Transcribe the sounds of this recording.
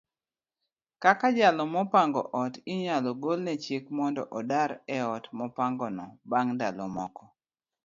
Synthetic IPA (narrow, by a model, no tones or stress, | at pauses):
kakad͡ʒalɔmɔpaŋɡɔ̰ʔɔtiɲalɔɡolnɛt͡ʃekmɔndɔ̰ʔɔdaɾɛɔtmɔpaŋɡɔnɔbaŋndalɔmɔkɔ